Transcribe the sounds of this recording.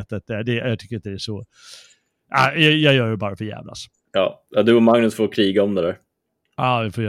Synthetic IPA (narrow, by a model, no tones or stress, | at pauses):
t̪ət̪̚d̪ɛd̪ɛjɑt̪ʰʏkːɾɪnt̪ːd̪ɛæʂɔ | ʔajɑjɑːjœːɖɛbɑːɾafœjæ̰ːvla̰s | jɑːɑd̪ɵɔmaŋnɵsfoːkʰɾiːɡaɔmd̪ɛd̪æɾ | ɑːvɪfoːjː